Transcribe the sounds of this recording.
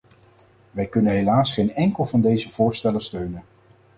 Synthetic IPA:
ʋɛjkɵnənɦelaːsχejnɛŋkəlˠvɑndejzəv̥ʊːɹstɛlənstøɥnən

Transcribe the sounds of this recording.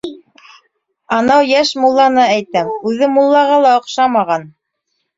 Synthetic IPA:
ɑnɑwjæʃmulˠːɑnɤæjt̪æmʉðɘmulˠːɑʁɑlˠɑŏqʃɑmɑʁɑn

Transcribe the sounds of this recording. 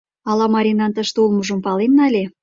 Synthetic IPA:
ɑlɑmɑɾʲinɑnt̪ə̆ʃt̪eulmɤ̆ʒɤ̆mpɑlenːɑlʲe

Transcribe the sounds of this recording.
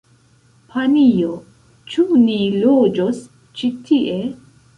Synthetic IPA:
pʰanijo | t͡ʃunilod͡ʒos | t͡ʃitʰiʔe̞

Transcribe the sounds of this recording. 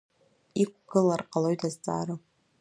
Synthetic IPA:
ikʷʰʼɡ̥ɨlarqʼalojtʰazt͡sʼa̰ːɾo

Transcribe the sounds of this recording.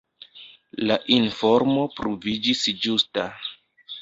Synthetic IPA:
laʔinfo̞ɾmo̞pɾovid͡ʒisd͡ʒusta

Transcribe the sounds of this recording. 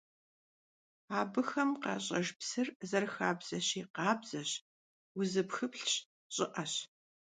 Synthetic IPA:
aːbɨxɐmqɑ̰ːɕʼɐʒpsɨrzɐrxaːbz̥ɐɕiːqɑːbz̥ɐɕ | wʊzɨpxɨpɬɕ | ɕʼɪʔɐɕ

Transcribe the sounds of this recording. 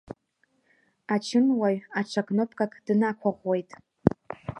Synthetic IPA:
at͡ʃʰɪnwajaʈ͡ʂʰakʼnopʼkʼakʼd̥nakʷʰaʁʷwejtʼ

